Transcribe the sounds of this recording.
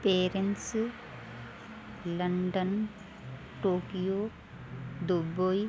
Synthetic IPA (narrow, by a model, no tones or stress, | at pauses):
peːɾens | lɐɳɖɐn | ʈoːkijoː | d̪uboj